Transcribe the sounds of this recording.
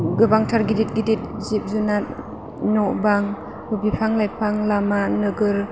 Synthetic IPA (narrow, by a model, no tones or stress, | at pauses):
ɡɯbaŋtʰaɾɡidit̚ɡidit̚zip̚zunat̚ | nɔbaŋ | hɯbipʰaŋlajpʰaŋlamanɯɡɯɾ